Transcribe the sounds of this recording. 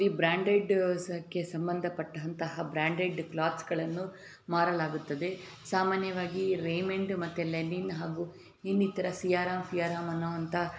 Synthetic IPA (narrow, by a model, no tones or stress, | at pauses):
ɾibɾaːɳɖeɖskːesɐmbɐnd̪ʱɐpɐʈːɐʋɐnt̪ɐɦɐbɾaːɳɖeɖklaːt̪sɡɐɭɐnːu | maːɾɐlaːɡut̪ːɐd̪e̞ | saːmaːnjɐʋaːɡiɾejmeɳɖmɐt̪ːeleninɦaːɡu | inːit̪ɐɾɐsijaːɾaːmfijaːɾaːmɐnːoːɐnt̪ɐ